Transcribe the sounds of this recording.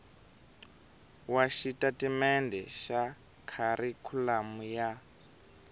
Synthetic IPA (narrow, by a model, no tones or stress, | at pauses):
waʃitatimɛndʱɛʃa | kʰaɾikʰulamuja